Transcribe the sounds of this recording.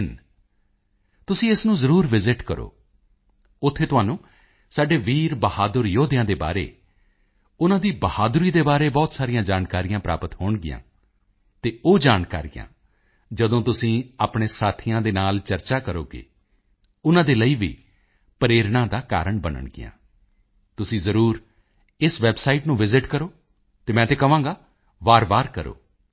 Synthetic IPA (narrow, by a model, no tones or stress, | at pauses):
n | t̪ʊsĩːɪsnũːzəɾuːɾʋɪzɪʈkəɾʔo̰ː | ʊt̪ʰːeːt̪ʊaːnũː | saːɖeːʋiːɾbəhaːd̪əɾjoːd̪ɪjãːd̪eːba̰ːɾḛː | ʊnãːd̪iːbəhaːd̪ʊɾiːd̪eːbaːɾeːbɔːt̪saːɾijãːd͡ʒaːnkaːɾijãːpɾa̰ːpət̪ɦoːɳɡɪjã̰ː | t̪eːoːd͡ʒaːnkaːɾijã̰ː | d͡ʒəd̪õːt̪ʊsĩːaːpɳeːsaːt̪ʰijãːd̪eːnaːlt͡ʃəɾt͡ʃaːkəɾo̰ːkḛː | ʊnãːd̪eːləiːʋḭː | pəɾeːɾɳãːd̪aːka̰ːɾəɳbənə̰ɳɡɪ̰jã̰ː | t̪ʊsĩːzəɾuːɾ | ɪsʋɛːbsaːiʈnũːʋɪzɪʈkəɾoː | t̪eːmɛ̃ːt̪eːkəʋãːɡaː | ʋaːɾʋaːɾkəɾo̰ː